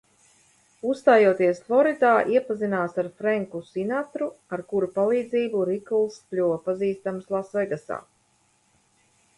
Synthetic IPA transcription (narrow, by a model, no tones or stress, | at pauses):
usst̪aːjuɔt̪iɛsflˠɔɾid̪aːʔiɛpazinaːsaɾfɾɛŋkusinat̪ɾuaɾkuɾupalˠiːd̪ziːbuɾiklˠsplʲuvpaziːst̪amslˠasvɛjɡasa̰ː